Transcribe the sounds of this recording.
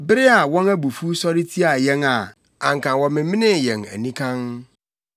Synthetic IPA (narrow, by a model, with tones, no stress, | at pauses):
bɪ˦ɾɪ˦a˨wɔ̃˦næ˦bu˨fu˦sɔ˦ɾi˦tʰi˦a˨jɛ˦ŋa˨ | ã˨ŋ̩˨kã˨wɔ̃˨mɪ̃˨mɪ̃˦nɪ̃˦˨jɛ̃˨ŋæ̰˨nĩ˦kʰã˦n